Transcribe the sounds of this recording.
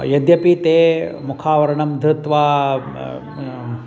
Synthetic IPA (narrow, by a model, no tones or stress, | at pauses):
jɐd̪jɐpit̪eːmukʰaːʋɐɾɐɳɐmd̪ʱɾɐt̪ʋaː